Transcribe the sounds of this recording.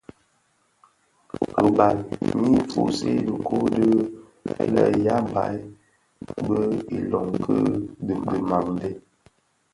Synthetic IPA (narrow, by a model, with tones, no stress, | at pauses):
ə˨ba˨lɲi˦fu˦se˦də˨kʰo˦də˦ | ḛ˦lə̰˨ja˦m˨ba̰˨˦j | bə˦i˨lɔ˨ŋkʰə˦ddə˨ma˨ŋde˦